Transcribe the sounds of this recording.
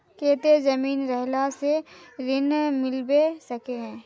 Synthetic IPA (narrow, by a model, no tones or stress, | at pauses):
keːt̪ezɐmiːnɾɛɦlaseɾɪnmɪlbesɐkeɦɛ̃ː